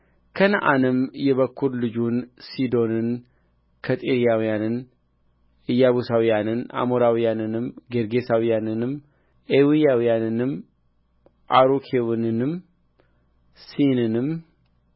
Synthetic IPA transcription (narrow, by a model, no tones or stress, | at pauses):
kʰənʔanɨmjɛβəkʰːuɾlɨd͡ʒunsid̪o̞nɨn | kʰət̪ʼeɾijawijanɨn | ʔɨjːaβusawijanɨnʔa̰moɾawijanɨnɨmɡeɾɡesawijanɨnɨm | ewijawijanɨnɨm | ʔaɾukʰewnɨnɨm | sinɨnɨm